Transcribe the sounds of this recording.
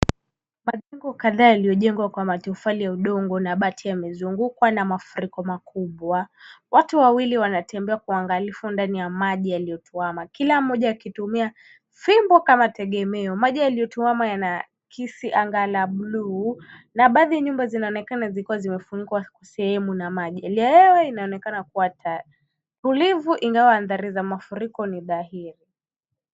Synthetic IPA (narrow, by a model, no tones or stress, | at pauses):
maʄɛŋɡɔkaðaːjalijɔʄɛŋɡwakwamatufalijauɗɔŋɡɔnaɓatʰijamɛzuŋɡukwanamafuɾikɔmakʰuɓwawatuwawiliwanatɛmbɛakuaŋɡalifundanijamaʄijalijɔtuamakilam̩mːɔʄaakitumia | fimbɔkamatɛɠɛmɛɔmaʄialiɔtuwamajana | kʰisiʔaŋɡalaɓlu | naɓaðiaɲumbazinaɔnɛkanazikuwazimɛfuɲiɡwakwasɛhɛmunamaʄialajɛwɛinaɔnɛkanakuwatʰa | tulivuʔiŋɡawaːnðaɾizamafuɾikɔniðaɦiɾi